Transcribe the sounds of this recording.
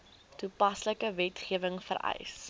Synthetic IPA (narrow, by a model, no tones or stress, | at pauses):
tupɐsləkəvɛtχiəvəŋfə̰ɾɛ̰js